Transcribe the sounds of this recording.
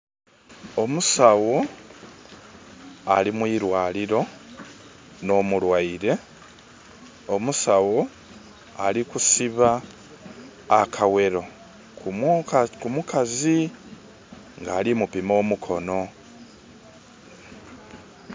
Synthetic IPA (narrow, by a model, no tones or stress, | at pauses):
o̞musawo̞ | alimwiːɾwaːliɾo̞ | no̞ːmulwaiɾe̞ | o̞musawo̞ | alikusiβa | kʰawe̞ɾo̞ | kumkumukʰazi | ŋɡaːlimupimo̞ːmukʰo̞no̞